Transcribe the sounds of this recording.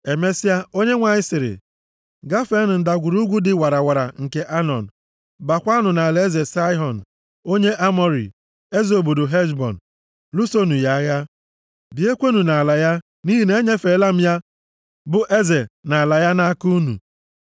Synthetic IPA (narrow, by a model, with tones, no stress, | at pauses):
e˨me˦si˦a˦o˦ɲe˦ŋʷa˨ɲɪ˦sɪ˨ɾɪ̰˨ | ɡa˦fe˦n̩˨n̩˨da˨ɡʷu˨ɾu˦ɡʷu˦dɪ˨wa˨ɾa˨wa˨ɾa̰˨ŋ̩˨ke˦ʔa˦nɔ̰˨n̩˨ | ba˨kʷa˦nʊ˨na˨le˨˦e˦ze˨sa˦jɦɔ˨n̩˨ | o˦ɲe˦ʔa˦mɔ˦ɾḭ˨ | e˦zo˨bu˨dʊ˨ɦe˦ʒbɔ̰˨n̩˨ | lu˦so˦nu˨ja˦a˦ja˦ | di˨e˦kʷe˦nu˨na˨a˨la˨ja˦ | ni˦ɦi˨ne˦ɲe˦fe˨˦la˦m̩˦ja˦ | bʊ˦ʔe˦ze˨na˨la˨ja˦na˦ku˦u˦nṵ˨